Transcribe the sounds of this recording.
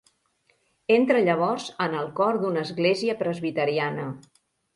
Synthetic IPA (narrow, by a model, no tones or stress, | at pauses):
ent̪ɾəʎəβ̞ɔrzənəlˠkɔɾd̪unəzɣleziəpɾəzβit̪əɾianə